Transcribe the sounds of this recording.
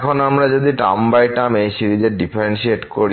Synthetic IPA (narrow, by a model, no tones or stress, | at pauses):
kʰonamɾad͡ʑod̪iʈa̰mbajʈamejsiɾid͡ʑeɾɖipʰeɾenʃieʈkoɾi